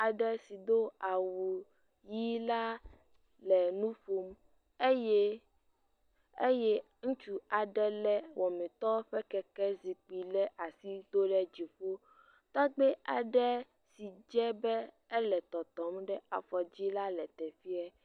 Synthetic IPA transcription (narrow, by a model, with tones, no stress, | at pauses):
a˨ɖɛ˦si˨d̪o˦a˨wu˨ | ji˦la˦ | lɛ˨nũ˦fu˦m | e˦je˦ | e˦jɛ˦ | ŋũ˦t͡ʃu˦a˨ɖɛ˦lɛ˦wʔɔ˨mɛ̃˨t̪ɔ˦ɸɛ˦kɛ˦kɛ˦zi˨k͡pi˨lɛ˦ʔa˨si˦d̪o˦ɖɛ˦d͡ʑi˨ɸo˦ | t̪ɔ˦ɡ͡bɛ˦a˨ɖɛ˦ | si˨d͡ʒɛ˦bɛ˦ | e˦lɛ˨t̪ɔ˨t̪ɔ˨˦mɖɛ˦a̰˨fɔ˨d͡ʑi˦la˦lɛ˨t̪ɛ˨fi˦a˨